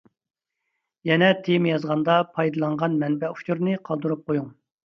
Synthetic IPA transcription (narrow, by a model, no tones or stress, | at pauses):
jɛnɛt̪ʰemjɑzʁɑnd̪ɑpʰɑjd̪ɨlˠɑɴʁɑnmɛnbɛu̥t͡ʃʰuɾnɨqʰɑlˠd̪uɾup̚qʰojuŋ